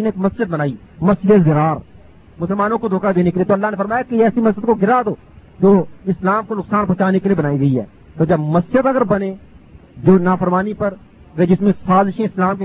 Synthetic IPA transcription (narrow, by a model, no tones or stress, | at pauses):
neːkməsd͡ʒəd̪̚bənaːiːməsdezəɾaːɾ | mʊsəlmaːnõkod̪ʱoːkad̪eːnekelieːt̪oːəlːaːɦnefəɾmaːjakeɛːsiməsd͡ʒəd̪koɡʱɪɾad̪oː | d͡ʒoːɪslaːmkonʊksaːnpɔɦt͡ʃaːnekeliebənaːiɡɐiɦɛ̰ː | t̪oːd͡ʒɐbməsd͡ʒəd̪ɐɡəɾbənẽː | d͡ʒoːnaːfʰəɾmaːnipəɾ | ked͡ʒɪsmẽsaːzɪʃẽɪslaːmke